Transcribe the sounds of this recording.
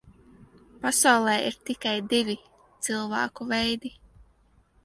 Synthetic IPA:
pasawlˠɛːiɾt̪ikajd̪ivʲi | t̪sɨlˠva̰ːkuvɛjd̪i

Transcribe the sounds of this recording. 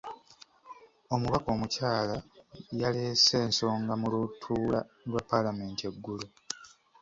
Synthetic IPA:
o̞muβako̞ːmucaːlajaleːseːnso̞ːŋɡamulutʰuːla | lwapːalame̞ːntie̞ɡːulu

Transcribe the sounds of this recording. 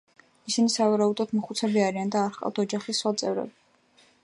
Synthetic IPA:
isinisavaɾaud̪ɔd̪mɔχut̪sʰɛbiaɾiand̪aːɾχqʼa̰fd̪ʰɔd͡ʒaχisːwat̪sʼɛvɾɛ̰bi

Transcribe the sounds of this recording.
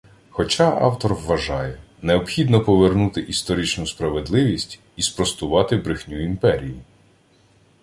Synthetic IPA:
xɔt͡ʃɑʔɑ̰wt̪ɔrʋːɐʒɑjɛ | neɔpxʲid̪nɔpɔʋernut̪ɪʔist̪ɔɾʲit͡ʃnʊspɾɐʋed̪lˠɪʋʲisʲtʲ | ispɾɔst̪ʊʋɑt̪ɪbɾɪxnʲuimpɛɾʲiji

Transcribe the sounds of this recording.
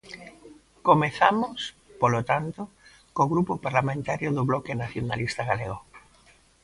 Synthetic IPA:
komeθamos | polot̪ant̪o | koɣɾupopaɾlamẽnt̪aɾjʊðʊβlɔkenaθjona̰list̪aɣaleɣo

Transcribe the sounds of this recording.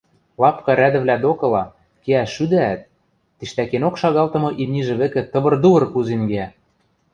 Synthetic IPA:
lɑpkɑɾæd̪ɘ̆βlæd̪okɤ̆lɑ | keæʃyd̪æːt̪̚ː | iʃt̪ækenokʃɑɣɑlt̪ɤ̆mɤ̆ʔimniʒĕβĕkɘ̆t̪ɤ̆βɤ̆rd̪uβɤ̆rkuzenɡeæ

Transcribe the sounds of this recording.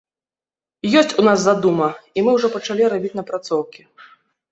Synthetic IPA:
jɔsʲt͡sʲunazːad̪umɐimɨwʐɔpɐt͡ʂalʲiɾabʲit͡sʲnɐpɾat̪sɔwkʲi

